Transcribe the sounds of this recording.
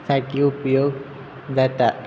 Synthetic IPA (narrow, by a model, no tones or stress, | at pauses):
saʈiupjoɡ | d̪at̪a